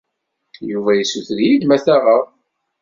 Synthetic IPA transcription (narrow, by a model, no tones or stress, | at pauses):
juvæjəsːuθðjid̪mæθæʁəʁ